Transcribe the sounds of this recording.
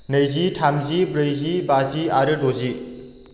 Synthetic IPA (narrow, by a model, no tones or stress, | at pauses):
nɐjzitʰamzibɾejzibaziaɾedozi